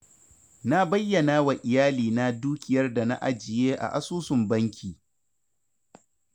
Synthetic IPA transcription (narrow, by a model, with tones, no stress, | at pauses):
na˦bɐ˦jːɐ˨naː˦wa˨ʔɪ˨jaː˦liː˨na˦duː˦kʲɪ˨jɐ˦rda˨na̰˦ʔa˨d͡ʒɪ˨jeː˦ʔa̰˨ʔa˦suː˦sʊ˨mbɐ˦ŋkʲʰiː˨